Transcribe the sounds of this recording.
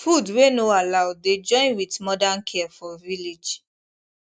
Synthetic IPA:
fudwenoalaʊded͡ʒɔ̃ɪ̃nwitmɔdãnkʰɛfɔvilid͡ʒ

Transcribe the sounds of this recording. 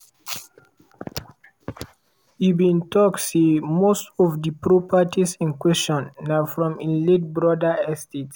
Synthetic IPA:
ibĩntɔksemostɔvdipɹopatisĩnkwɛst͡ʃɔ̃nːafɹɔ̃mĩlet̚bɹɔdaɛstet

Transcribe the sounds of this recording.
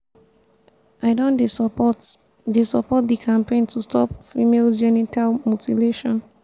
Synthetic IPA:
ʔaɪdõndesɔpt | desɔpɔt̚dikʰãmpẽntustʰɔp̚fimeld͡ʒɛnitalmutʰileʃɔ̃n

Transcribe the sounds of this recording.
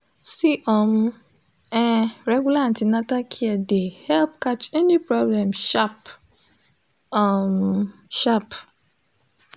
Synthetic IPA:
siʔɔmũ | ɛɾɛɡulaãntinãtakʰiɛdehɛlp̚kat͡ʃɛnĩpɾɔblɛ̃mʃap | ɔmʃap

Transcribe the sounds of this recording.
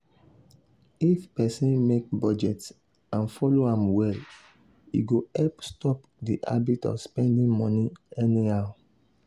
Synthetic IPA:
ifpɛsĩnmek̚bɔd͡ʒɛts | ãnfɔloãmwɛl | ḭɡoɛlpstɔp | diʔa̰bitɔ̰fspɛ̃ndĩŋmɔ̃niɛnihaʊ

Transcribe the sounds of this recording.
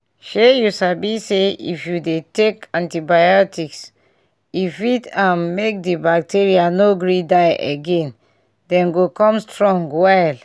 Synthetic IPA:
ʃejusabiseḭfjudetekãntibajɔtʰiks | ifitãmːmek̚dibak̚tʰiɹianoɡɹidajʔḛɡɛ̃n | dɛ̃nɡokɔ̃mstɹɔ̃ŋɡwaɪl

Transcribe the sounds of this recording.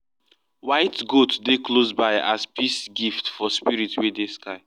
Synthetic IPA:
waɪtɡotdeklosbaɪaspʰisɡiftfɔspiɹitwedeskaɪ

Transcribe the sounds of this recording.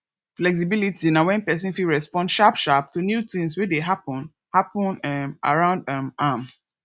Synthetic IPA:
flɛks̬ibilitinãwɛ̃npɛs̬ĩnfiɹɛspɔ̃nʃapʃap̚tunjutĩŋs̬wideɦapə̃n | hapə̃nama̰ɹãʊ̃ndamam

